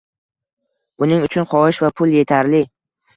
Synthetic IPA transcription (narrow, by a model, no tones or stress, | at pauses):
bʊnɪŋʊt͡ʃʰʊnχɒɪʃvapʰʊlˠje̞t̪ʰaɾlɪ